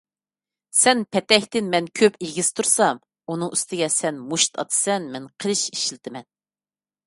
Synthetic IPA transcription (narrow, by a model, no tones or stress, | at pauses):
sɛnpʰɛt̪ɛhʲt̪ɪnmɛnkʲʰøpiɡʲɪz̥t̪ʰuɾsɑm | unɨŋyst̪ʰɪɡʲɛsɛnmuʃt̪ʰɑ̰t̪ʰɨ̥sɛnmɛnqʰəlˠɨʃiʃlɪt̪ʰɪmɛn